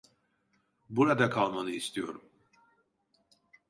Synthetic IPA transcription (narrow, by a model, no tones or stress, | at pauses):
buɾad̪akʰalˠmanɯist̪ʰijo̞̰ɾum